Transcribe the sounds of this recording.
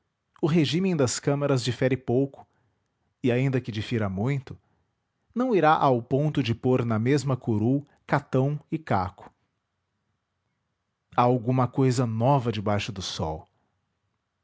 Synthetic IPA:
ʊɦeʒĩmẽj̃d̪ɐskɐ̃mɐɾɐzd͡ʒifɛɾɪpowkʊ̥ | ɪaĩnd̪ɐkɪd͡ʒifiɾamũj̃t̪ʊ | nɐ̃w̃iɾaʔawpõnt̪ʊd͡ʒɪpoɾnɐmezmɐkoɾuw | kat̪ɐ̃w̃ɪka̰kʊ̥ | aawɡũmɐkojzɐnɔvɐd͡ʒɪbajʃʊd̪ʊsɔ̰w

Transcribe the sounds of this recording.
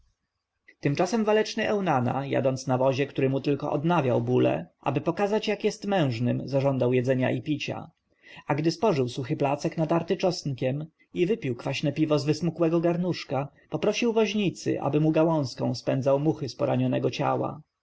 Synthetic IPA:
t̪ɘmt͡ʂasɛmvalɛt͡ʂnɘʔɛwnana̰ja̰d̪ɔnt̪snavɔʑɛkt̪uɾɘmut̪ɘlkɔʔɔd̪navʲjawbulɛ̰ʔa̰bɘpɔkazat͡ɕjakjɛst̪mɛ̃w̃ʐnɘmzaʐɔnd̪awjɛd̪zɛɲa̰ipʲit͡ɕa̰ | aɡd̪ɘspɔʐɘwsuxɘplat̪sɛknad̪aɾt̪ɘt͡ʂɔsnkʲɛm | ivɘpʲiwkfaɕnɛpʲivɔzvɘsmukwɛɡɔɡaɾnuʂka | pɔpɾɔɕiwvɔʑɲit̪sɘ̰ʔa̰bɘmuɡawɔ̃w̃skɔ̰̃w̃spɛnzawmuxɘspɔɾaɲɔnɛɡɔt͡ɕa̰wa̰

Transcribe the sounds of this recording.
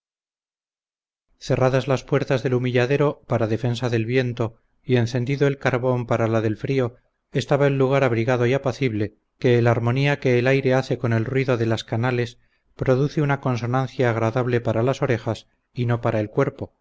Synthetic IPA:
θe̞raðazlaspwe̞ɾt̪azðe̞lumiʎaðe̞ɾo̞paɾaðe̞fe̞nsaðe̞lβje̞nt̪o̞ | ie̞nθe̞nd̪iðo̞e̞lkaɾβo̞mpaɾalaðe̞lfɾio̞ | est̪aβaelːuɣ̞aɾaβ̞ɾiɣaðo̞iapaθiβle̞ | ke̞ːlaɾmo̞niake̞ːlajɾe̞aθe̞ko̞ne̞lrwiðo̞ðe̞laskanale̞s | pɾo̞ðuθeunako̞nso̞nãnθjaːɣ̞ɾaðaβle̞paɾalaso̞ɾe̞xas | ino̞paɾae̞lkwe̞ɾpo̞

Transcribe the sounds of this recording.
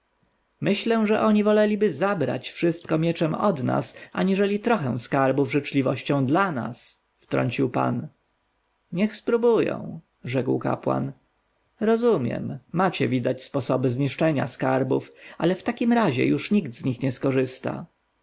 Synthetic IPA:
mɘɕlɛ̃ʐɛʔɔɲivɔlɛlʲibɘzabɾa̰t͡ɕfʂɘst̪̚kɔmʲjɛt͡ʂɛmɔd̪na̰saɲiʐɛlʲit̪ɾɔxɛ̃w̃skaɾbuvʐɛt͡ʂlʲivɔɕt͡ɕɔ̃w̃d̪lana̰s | ft̪ɾɔ̰ɲt͡ɕiwpa̰n | ɲɛxspɾubujɔ̰̃w̃ | ʐɛkwka̰pwa̰n | ɾɔzumʲjɛ̰mːat͡ɕɛvʲid̪at͡ɕspɔsɔbɘzɲiʂt͡ʂɛɲa̰skaɾbufʔalɛft̪akʲimɾaʑɛ̰juʂɲiɡd̪zɲixɲɛskɔʐɘst̪a̰

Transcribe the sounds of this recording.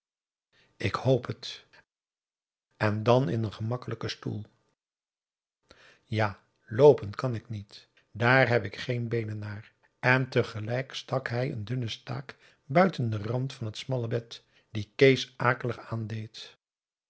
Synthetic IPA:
ɪkhowpʰət | ʔɛndɑnɪ̰nənχəmɑkələkəstṵlˠ | jaː | lowpəntkɑnɪknit | daːɹɦɛpɪkχejnbejnənːaːɹ | ɛntəχəlɛjkstɑkɦɛjə̰ndɵnəsta̰ːk | bœɥtəndərɑntfɑnɦətsmɑləbɛt | d̥ikejsʔaːkələχaːndejt

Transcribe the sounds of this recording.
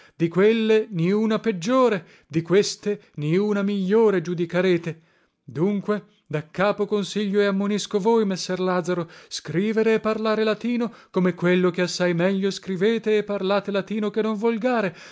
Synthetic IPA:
d̪ikwelːeniuːnaped͡ʒːoːɾe | d̪ikwest̪eniuːnamiʎːoːɾed͡ʒud̪ikaɾeːt̪e | d̪uŋkwe | d̪akːaːpokonsiʎːoeamːoniskovojmesːɛrlaːd̪zaɾoskɾiːveɾeːpːarlaːɾelat̪iːnokomekwelːokeasːajmɛʎːoskɾiveːt̪eːpːarlaːt̪elat̪iːnokenːoɱvolɡaːɾe

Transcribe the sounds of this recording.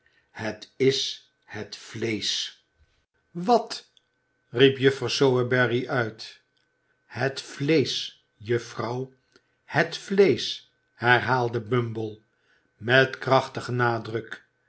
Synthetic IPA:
hətɪs | hətflejs | ʋɑt | ripjɵfrɑwsowəbɛriʔœɥt | hətflejs | jɵfrɑw | hətflejs | hɛɹɦaːlˠdəbɵmbəlˠ | mɛtkrɑχtəχənaːdrək

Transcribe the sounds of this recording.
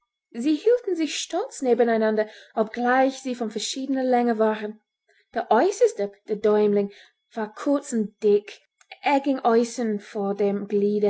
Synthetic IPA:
ziːhiːltn̩zɪçʃtɔlt͡sneːbənaɪnandɐʔɔp̚ɡ̥laɪçz̥iːfɔnfɛɐʃiːdənəlɛŋəvaːʁən | d̥eːʔɔʏsəstəd̥eːɐdɔʏmlɪŋ | v̥aːkʰʊɐt͡sn̩d̥ɪk | ʔɛɡɪŋʔɔʏsənfoːdeːmɡliːdə

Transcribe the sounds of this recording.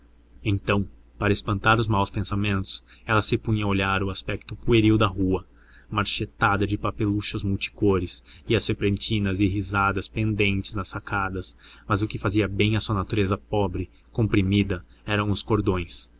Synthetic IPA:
ẽnt̪ɐ̃w̃ | paɾɐɪspɐ̃nt̪aɾʊzmawspẽsamẽnt̪ʊ̥sɛlɐsɪpũɲɐoʎaɾʊaspɛk̚t̪ʊpueɾiwd̪ɐɦuɐ | maɾʃet̪ad̪ɐd͡ʒɪpapeluʃɐzmuwt͡ʃi̥koɾɪsɪɐsfepɾẽnt͡ʃĩnɐzɪɦizad̪ɐspẽnd̪ẽnt͡ʃɪ̥znɐsːakad̪ɐsmɐzʊkɪfaziɐbẽj̃ɐsuɐnat̪uɾezɐpɔbɾɪ | kõpɾimid̪ɐ | ɛɾɐ̃w̃ʊskoɾd̪õj̃s

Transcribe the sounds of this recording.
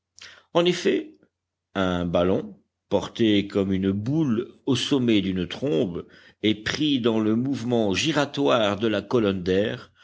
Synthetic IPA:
ɑ̃nefɛ | ɛ̃balɔ̃ | pɔʁt̪ekɔmynbulosɔmɛd̪ynt̪χɔ̃b | ɛpχid̪ɑ̃ləmuvmɑ̃ʒiʁat̪waʁd̪əlakɔlɔnd̪ɛːʁ

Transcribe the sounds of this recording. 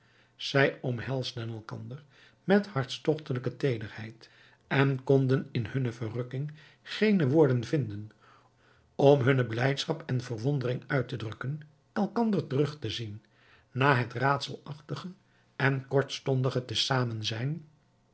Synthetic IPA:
z̥ɛjɔmɦɛlˠzdənɛlˠkɑ̰ndəɹ | mɛthɑɹtstɔχtələkətejdərhɛjt | ɛnkɔndənɪnhɵnəvərɵkɪŋ | χejnəʋʊːɹdənvɪndən | ɔmɦɵnəblɛjtsχɑpɛnvərʋɔndərɪŋœɥtədrɵkən | ɛlˠkɑndəɹtərɵχtəzinː | aːɦətraːtsəlˠɑχtəχə | ʔɛnkɔɹtstɔndəχətəsaːmənzɛjn

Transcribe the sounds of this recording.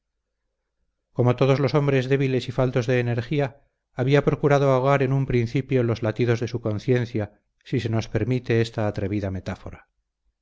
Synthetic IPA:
ko̞mo̞t̪o̞ð̞o̞zlo̞so̞mbɾe̞zðe̞βile̞sifalt̪o̞zðe̞ːneɾxiaː | βiapɾo̞kuɾaðoaoɣaɾe̞numpɾinθipjolo̞zlat̪iðo̞zðe̞suko̞nθje̞nθja | sise̞no̞spe̞ɾmit̪e̞est̪aːt̪ɾe̞βiðame̞t̪afo̞̰ɾa

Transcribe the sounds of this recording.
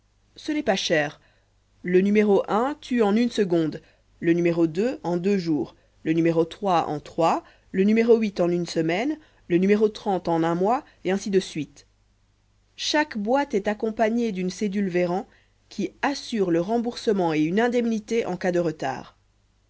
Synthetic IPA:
sənɛpaʃɛːʁ | lənymeʁoʔɛ̃t̪ʰyɑ̃nynsəɡɔ̃d̪ | lənymeʁod̪øɑ̃d̪øʒuːʁ | lənymeʁot̪χwaɑ̰̃t̪χwa | lənymeʁoɥit̪ɑ̃nynsəmɛn | lənymeʁot̪χɑ̃t̪ɑ̃nɛ̃mwa | eɛ̃sid̪əsɥit̪ | ʃakbwat̪ɛt̪akɔ̃paɲed̪ynsed̪ylveʁɑ̃ | kʲʰiasyʁləʁɑ̃buʁsəmɑ̃eynɛ̃d̪ɛmnit̪eʔɑ̃kad̪əʁət̪a̰ːʁ

